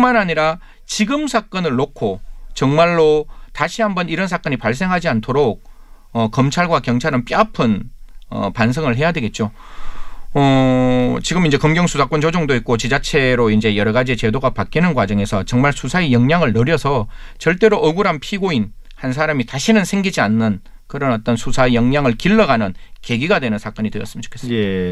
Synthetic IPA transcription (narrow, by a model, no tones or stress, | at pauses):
kɯmanaɲiɾa | t͡ɕiɡɯmsʰak͈ʌnɯɭːokʰot͡ɕʌŋmaɭːotaɕʰiɦambʌniɾʌnsʰak͈ʌɲipaɭs̬͈e̞ŋɦad͡ʑiantʰoɾok̚ | ʌkʌmt͡ɕʰaɭɡwakjʌŋt͡ɕʰaɾɯnp͈iapʰɯnʌ̰pans̬ʰʌŋɯɭɦe̞jadwe̞ɡe̞t̚t͡ɕ͈o | ʌ | t͡ɕiɡɯmind͡ʑe̞kʌmɡjʌŋsʰusʰak͈wʌnd͡ʑod͡ʑoŋdoit̚k͈ot͡ɕid͡ʑat͡ɕʰe̞ɾoind͡ʑe̞jʌɾʌɣad͡ʑiet͡ɕe̞doɡapak͈inɯnkwad͡ʑʌŋe̞sʰʌt͡ɕʌŋmaɭsʰusʰaejʌŋɲaŋɯɭnʌɾjʌsʰʌt͡ɕʌɭt͈e̞ɾoʔʌɡuɾɦanpʰiɡoinhans̬ʰaɾamitaɕʰinɯnsʰe̞ŋɡid͡ʑianːɯn | kɯɾʌnʌt͈ʌnsʰusʰaejʌŋɲaŋɯɭkiɭːʌɡanɯnke̞ɡiɡadwe̞nɯnsʰak͈ʌɲidwejʌs͈ɯmit͡ɕokʰe̞s͈ɯ